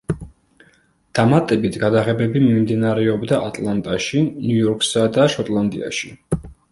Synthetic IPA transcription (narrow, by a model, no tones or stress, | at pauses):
d̪̥amat̪ʼɛbit̪ʰɡad̪aʁɛbɛbimimd̪inaɾɛɔbd̪aʔat̪ʼlˠant̪ʼaʃinujɔɾkʰʼsad̪aʃɔt̪ʼlˠand̪ʼḭa̰ʃi